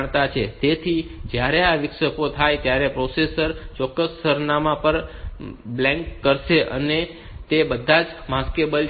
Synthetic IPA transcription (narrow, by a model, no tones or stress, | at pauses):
ɳ̃t̪at͡ʃʰet̪et̪ʰid͡ʒjaɾeaʋɪkʃəkot̪ʰajt̪jaɾepɾosesəɾt͡ʃɔkːəsːəɾnamãpəɾ | blɛ̃ŋkːəɾʃeʔə̰ne | t̪ebəd̪ʱːãd͡ʒmãskebəl